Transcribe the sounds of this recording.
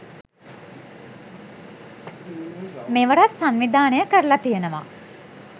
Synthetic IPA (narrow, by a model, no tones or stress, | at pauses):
meʋəɾat̪sanʋid̪ʱaːnejəkəɾəlat̪ijənəʋa̰